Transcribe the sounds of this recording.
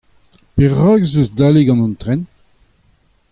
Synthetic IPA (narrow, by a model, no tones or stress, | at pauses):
peʁaɡzøzd̪aːleɡɑ̃nɔ̃nt̪ʁɛn